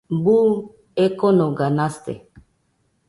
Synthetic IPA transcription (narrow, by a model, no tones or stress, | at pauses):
bu | ekɔnoɡanast̪ḛ